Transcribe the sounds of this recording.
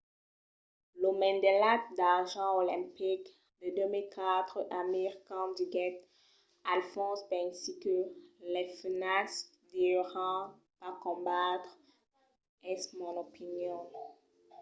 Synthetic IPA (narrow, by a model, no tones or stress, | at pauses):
lomɛ̃nd̪elat̪d̪aʁʒɑ̃olɛ̃pik | d̪əd̪ømilkat̪χəʔamiʁkɑ̃d̪iɡɛt̪ | alfɔ̃sbɛ̃ŋsitølɛfənas | d̪iʁɑ̃ | pakɔ̃bat̪χ | ɛsmɔ̃nopinjɔ̃